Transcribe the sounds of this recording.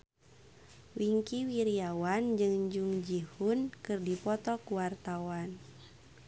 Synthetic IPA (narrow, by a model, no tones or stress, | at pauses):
wiŋkiwiɾiawand͡ʒɨŋd͡ʒuŋd͡ʒihunkɨrdipɔt̪ɔkuwart̪awan